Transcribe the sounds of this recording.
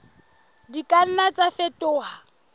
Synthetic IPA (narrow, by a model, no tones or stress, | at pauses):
dikʼan̩nat͡safɛtʼʊːha